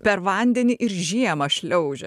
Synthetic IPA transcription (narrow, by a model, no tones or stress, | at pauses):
pʲɛɾʋɐˑnʲd̪ʲɛnʲɪʔɪɾʒʲiɛmɐʃʲlʲɛʊʒʲɛ